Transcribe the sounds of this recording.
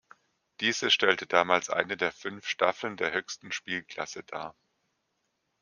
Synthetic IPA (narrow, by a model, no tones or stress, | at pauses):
d̥iːzəʃtɛltədaːmaːlsʔa̰ɪnədeːɐfʏnfʃtafl̩ndeːɐhøːçstn̩ʃpiːlkl̥a̰səda̰ːɐ